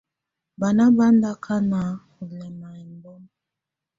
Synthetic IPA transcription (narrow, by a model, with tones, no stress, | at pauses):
ba˨na˦ba˦n˦da˦kʰa˦na˨˦ | u˨lɛ˨ma˨i˨mbɔ˦m